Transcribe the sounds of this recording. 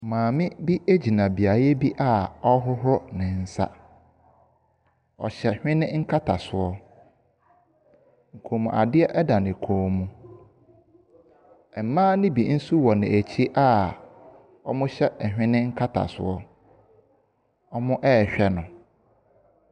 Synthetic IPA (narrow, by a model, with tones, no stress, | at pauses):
mãː˨mɪ̃˦bi˦e˦d͡ʑi˨nã˨bi˨a˨ɾjɛ˦bi˦ʔa˦˨ɔ˦ɦʊ˦ɦʊ˦nɪ̃˨n̩˦sa̰˦ | ɔ̰˨ɕɛ˨hᶣɪ̃˦nɪ̃˦ŋ̩˦kʰa˦tʰa̰˨sʊ˨ɔ˦ | ŋ̩˨kʰoː˨mũ˨ʔa̰˨dɪ˦ɛ˦ʔɛ˦da˨nɪ̃˨kʰoː˨mũ˦ | ɛ˨m̩˨mãː˦nɪ̃˦bi˨n̩˦su˦wɔ˨nɪ̃˨ʔæ˨t͡ɕʰi˦ʔa˦˨ | ɔ˦mʊ̃˦ɕɛ˦ʔɛ˨hᶣɪ̃˦nɪ̃˦ŋ̩˦kʰa˦tʰa̰˨sʊ̰˨ɔ˦ | ɔ˦mʊ̃˦ʔɛ˦˨ɕᶣɛ˦nʊ̃˨